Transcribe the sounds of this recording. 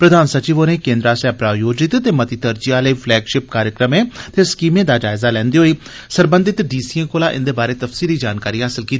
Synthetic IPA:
pɾəd̪ʱaːnsət͡ʃiːʋoːneːkẽːnd̪ɾaːsɛːpɾaːjoːd͡ʒɪt̪t̪eːmət̪iːt̪əɾd͡ʒiaːləiːpʰlɛːɡʃɪp̚kaːɾjəkɾəmẽːt̪eːskiːmẽːd̪aːd͡ʒaːɪzaːlɛ̃ːnd̪iːɦoːiː | səɾbə̃nd̪ɪt̪ɖiːsiːẽkoːlaːʔɪ̰nd̪eːbaːɾeːt̪əfsiːliːd͡ʒaːnkaːɾiːɦaːsɪlkiːt̪ːi

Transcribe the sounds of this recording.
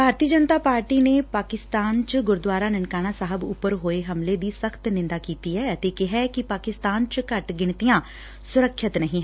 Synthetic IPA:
bʱaːɾt̪iːəd͡ʒənt̪aːpaːɾʈiːneːpaːkɪst̪aːnt͡ʃɡʊɾd̪waːɾaːnəɳkaːɽ̃aːsaːɦəbʊ̰pːəɾɦoːeɦəmleːd̪iːsəkʰt̪nɪ̃nd̪aːkiːt̪iːɦɛːət̪eːkɪɦɛːkɪpaːkɪst̪aːnt͡ʃkəʈɡɪɳ̃t̪ijãː | sʊɾəkʰːət̪nəɦĩːɦ

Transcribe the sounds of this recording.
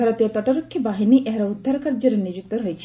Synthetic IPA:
aɾɔt̪iot̪ɔʈoɾokʰːjɔbaɦiniʔɛɦɾaud̪ʱːaɾkaɾd͡ʒɔɾenid͡ʒut̪ːɔɾɦojt͡ʃʰi̥

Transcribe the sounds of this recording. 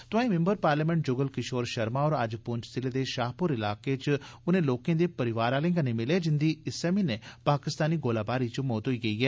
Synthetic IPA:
t̪ʊãĩmɛ̃mbəɾpaːɾlɛːmɛ̃ɳʈ̚d͡ʒʊɡəlkɪʃoːɾʃɐɾmaɔːɾɐd͡ʒpʊɲt͡ʃsɪled̪eːʃaːɦpʊɾɪlaːket͡ʃʊnẽːloːkẽd̪eːpɐɾɪʋaːɾaːlẽŋɡanemɪleːd͡ʒɪnd̪iɪsɛmineːpaːkɪst̪aːniːɡoːlaːbaːɾit͡ʃəmoːt̪ɦoiːɡɐiːɦɛː

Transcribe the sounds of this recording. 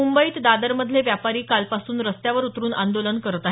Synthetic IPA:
ummbəiːt̪d̪ad̪əɾməd̪ʱleʋjapaɾiːkalpasuːnɾəst̪jaʋəɾut̪ɾuːna̰nd̪olənkəɾt̪a

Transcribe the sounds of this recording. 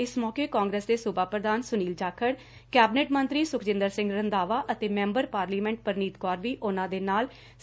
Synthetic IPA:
ɪsmɔːkeːkɔːŋɡɾeːsd̪eːsʊbaːpɾəd̪aːnsʊniːld͡ʒaːkʰəɽ | kɛːbneːʈmənt̪ɾiːsʊkʰd͡ʒɪ̃nd̪əɾsɪ̃ŋɡɾənd̪aːʋaːʔət̪eːmɛ̃ːmbəɾpaːɾliːmɛ̃ːɳʈ̚pəɾniːt̪kɔːɾʋiːʔʊnãːd̪eːnaːl

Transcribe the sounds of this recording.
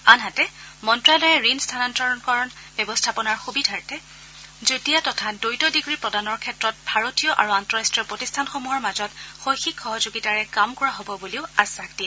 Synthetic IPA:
anɦatɛmɔntɹalɔjɛɹinstʰanantɔɹɔnkɔɹɔn | bjɔbɔstʰapɔnaɹxubidʱaɹtɛ | zotijatɔtʰadojtɔdiɡɹipɹɔdanɔɹkʰɛtɹɔt̚bʱaɹotijɔʔa̰ɹuantɔɹastɹijɔpɹotistʰanxomuɦɔɹmazɔtxojxikxɔɦɔzoɡitaɹɛkamkɔɹaɦobɔbuliʊasakti

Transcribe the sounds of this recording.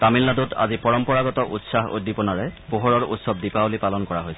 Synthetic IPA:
tamilnadutʰa̰zipɔɹɔmpɔɹaɡɔtɔʔutsaɦo̰dipɔnaɹɛpoɦɔɹɔɹṵtsɔb̚dipaolipalɔnkɔɹaɦojsɛɛ

